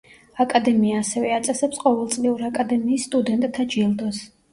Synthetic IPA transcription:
akʼad̪ɛmiaːsɛvɛat̪sʼɛsɛpsqʼɔvɛlˠt̪sʼliuɾakʼad̪ɛmiːsːt̪ʼud̪ɛnt̪ʼt̪ʰːad͡ʒilˠd̪ɔs

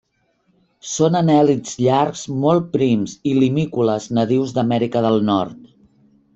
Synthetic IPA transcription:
sonənɛlidz̥ʎaɾkz̥mɔlˠt̪̚pɾimzilimikuləznəðiwzd̪əmɛɾikəðəlˠnɔ̰ɾt̪̚

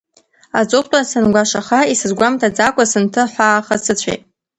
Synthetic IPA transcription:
at͡sʷʼʊχʷtʷʼasɨnɡʷaʂaχaisɨzɡʷamtʰad͡zakʷʼasɨntʰɨħʷaːχasɨt͡ɕʷʰḛjtʼ

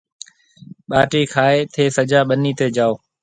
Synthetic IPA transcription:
ɓaːʈiːkʰaːeːt̪ʰeːsəd͡ʒaːɓəniːt̪eːd͡ʒaːoː

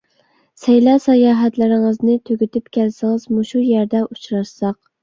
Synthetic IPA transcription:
sɛjlɑsɑjɑːɦɛt̪lɪɾɪŋəznɪt̪ʰøɡʲyt̪ypkʲælsɪŋəzmuʃujæɾd̪ɛʔut͡ʃɾɑʃsɑq̚

